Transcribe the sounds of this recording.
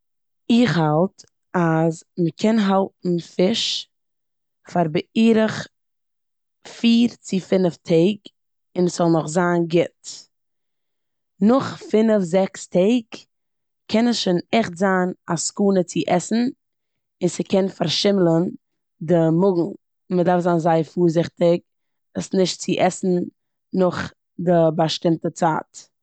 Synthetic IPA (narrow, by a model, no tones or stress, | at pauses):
ɪχhalˠt | azməkʰɛnɦalˠtn̩fɪʃ | faɾbəiːɾəχ | fiːɾt͡sɪfɪnəftʰeɪɡ | ɪnəsz̥ɔlˠnʊχzaːnɡɪt | nʊχfɪnəfzɛkstʰeɪɡ | kʰɛnəsʃonɛχtzaːnaskuːnət͡sɪʔɛsn̩ | ɪnsəkɛnfaɾʃɪmlˠən | dɪmʊɡŋ̩ | mədaɾfzaːnzaɪəɾfuːɾzɪχtɪk̚ | dasnɪʃtt͡sɪʔɛsn̩ | nʊχ | dɪbaʃtɪmtət͡sa̰ːt